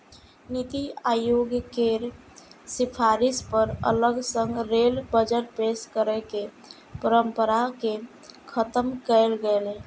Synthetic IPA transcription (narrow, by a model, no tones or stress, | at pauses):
nit̪iajoɡjəkeɾ | sipʰaɾispəɾə̰ləɡsə̃ŋɡɾelbəd͡ʒəʈ̚peskəɾɛke | pəɾəmpəɾake | kʰət̪əmkəlɡəle